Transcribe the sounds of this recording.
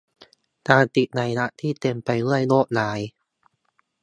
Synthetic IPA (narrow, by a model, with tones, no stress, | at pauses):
kaː˧nt̪i˨˩t̪̚na˧jna˦˥ʔt̪ʰiː˥˩t̪e˧mpa˧jlɯ˥˩əjnoː˥˩k̚naː˩˦j